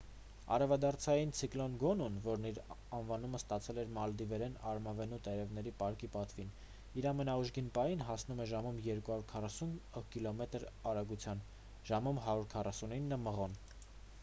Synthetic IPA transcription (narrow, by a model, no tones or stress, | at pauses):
ɑ̰ɾɛvɑd̪ɑɾt͡sʰɑjint͡sʰiklɔnɡɔnunvɔɾniɾ | ɑnvɑn̪uməst̪ɑt͡sʰɛlɛɾmɑld̪ivɛɾɛnɑ̰ɾmɑvɛnut̪ɛɾɛvnɛɾipɑɾkipɑt̪vin | iɾɑmɛnɑuʒɡinpɑjinɦɑsnumɛʒɑmumjɛɾkuhɑɾuɾkʰɑrɑsunkilɔmɛt̪əɾɑɾɑɡut͡sʰjɑn | ʒ̥ɑmumɦɑɾuɾkʰɑrɑsuninːəməʁɔn